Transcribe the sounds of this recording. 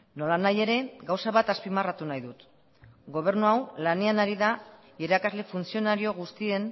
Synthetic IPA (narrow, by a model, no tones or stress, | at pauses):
no̞lanaje̞ɾe̞ɡawsaβat̪aspimarat̪unajðut̪ | ɡo̞β̞e̞ɾnuawlane̞anaɾiða | iɾakazle̞funsio̞naɾio̞ɣust̪ie̞n